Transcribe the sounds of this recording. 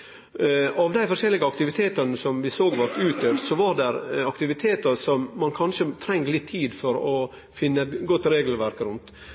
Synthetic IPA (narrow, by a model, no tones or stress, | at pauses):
ɑʋd̪æɪfɔɾʃɛlːɪɡəɑkt̪ɪʋɪt̪ʰeːt̪ɑnəsɔmʋɪsoːɡʋɑɾt̪ʉːt̪̚d̪øːft̪sɔʋɑɾdɛɾɑkt̪ɪʋɪt̪ʰeːt̪əɾsɔmːɑnkʰɑnʂət̪ʰɾɛŋːlɪt̪ʰːiːd̪fɔɾɔ | fɪnːəɛt̪ɡɔt̪ːɾeːɡlʋæɾkɾʉnt̪